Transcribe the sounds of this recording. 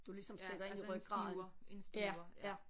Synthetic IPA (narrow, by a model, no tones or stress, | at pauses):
d̥ulisɒ̽msed̥ɐe̝n̰iʁœɡ̥ɡʁɑ̈ːð̩̥ˠjæjæ